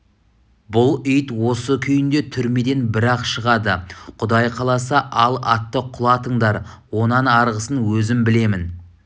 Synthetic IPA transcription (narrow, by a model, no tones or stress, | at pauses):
bʊlˠʏjt̪wo̞səkʲʰʏjɪnd̪e̞t̪ʰʏɾme̞d̪e̞nbɪɾɑqʃəʁɑd̪əqʰʊd̪ɑjqʰɑlˠɑsɑʔɑlˠɑt̪ːəqʰʊlˠɑt̪əɴd̪ɑɾ | wo̞nɑnɑɾʁəsənwɵzɪmbɪle̞mɪn